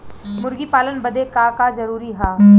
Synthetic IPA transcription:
mʊɾɡipaːlənbɐd̪ekaːkazɐɾuːɾiɦaː

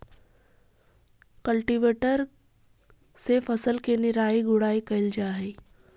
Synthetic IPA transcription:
kɐlʈiʋeːʈəɾ | sefɐsəlkenɪɾaːiɡʊɽaːikɐɪld͡ʒaːɦeː

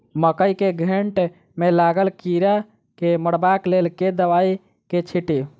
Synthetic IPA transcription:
məkəjkeɡʱeɳʈ | melaɡəlkiɾa | keməɽbaklelked̪əʋai | ket͡ʃʰiʈi

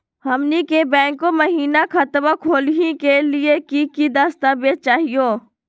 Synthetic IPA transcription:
hɐmnikebɛ̃ːŋkːoməɦiːnakʰɐt̪ʋakʰoːlɦĩkelɪekikid̪aːst̪abeːt͡ʃaːɦijoː

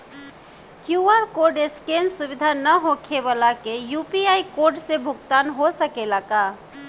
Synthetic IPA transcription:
kjuaɾkoɾɖeskensubid̪ʱanəɦokʰebalakejupiaikoɾɖsebʱʊɡt̪anɦosəkelaka

